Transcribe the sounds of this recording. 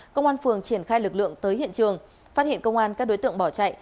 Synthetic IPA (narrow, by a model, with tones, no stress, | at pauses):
kə˧wŋ͡mʔaː˧nfɨ˨˩əŋt͡ɕi˧˩ənxaː˧jlɨ˨˩k̚lɨ̰˧˨əŋt̪əː˨˦jɦhḭ˧ənt͡ɕɨ˨˩əŋ | fa˦˥t̚hḭ˧˨nkə˧wŋ͡mʔaː˧nkaː˦˥k̚ɗo˨˦jt̪ɨ̰˧˨əŋɓɔ˧˩t͡ɕa̰˧˨j